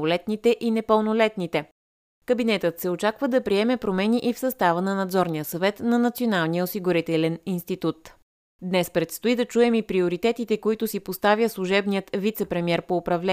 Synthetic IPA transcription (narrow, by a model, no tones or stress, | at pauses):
lɛt̪nit̪ɛʔinɛpəlˠnolɛt̪nit̪ɛ | kəbinɛt̪ət̪sɛot͡ʃakvəd̪ɐpɾiɛmɛpɾomɛniʔifsɐst̪avənɐnɐd̪zɔɾnijəsɐvɛt̪nɐnɐt̪sionalˠnijəosiɡʊɾit̪ɛlɛninst̪it̪ut̪ | d̪nɛspɾɛt̪st̪oid̪ɐt͡ʃuɛmipɾioɾit̪ɛt̪it̪ɛkoit̪ʊsipost̪avʲjəslˠuʒɛbniət̪vit̪sɛpɾɛmiɛɾpoːpɾɐvlɛ